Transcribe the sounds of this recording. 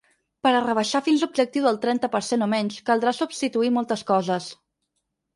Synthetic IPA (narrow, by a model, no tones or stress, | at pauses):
pəɾərəβ̞əʃafinzlub̚ʒək̚t̪iwðəlˠt̪ɾɛnt̪əpəɾsenomɛɲʃkəlˠd̪ɾasubst̪it̪uimɔlˠt̪əskɔzəs